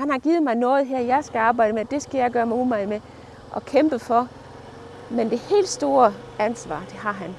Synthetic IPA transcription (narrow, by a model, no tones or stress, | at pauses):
hænhɑ̈ɡ̥iːð̩ˠmɑ̈ɪnɔ̽ːð̞̩ˠɦɛɐjɑ̈ɪsɡ̥æɑ̈ːb̥ɑ̈ɪɾ̥əmed̥e̝sɡ̥æjɑ̈ɪɡ̥ɶɐmumɑ̈ɪme | ʔɒ̽kʰemb̥əfɒ̽ | mend̥e̝he̝̰ːld̥sd̥o̝ːɐ | ænsʋɑ̰̈ːd̥e̝ɦɑ̈ɦæn